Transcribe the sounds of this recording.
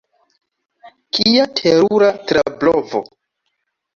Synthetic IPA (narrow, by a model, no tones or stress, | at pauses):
kʰiatʰeɾuɾatɾablovo̰